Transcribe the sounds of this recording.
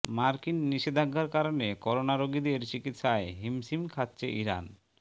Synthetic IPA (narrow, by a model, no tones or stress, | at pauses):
maɾkinːiʃed̪ʱaɡʱːaɾkaɾonekɔɾonaɾoɡid̪eɾt͡ɕikit̪ʃaeɦimsimkʰatːt͡ɕʰeʔiɾa̰n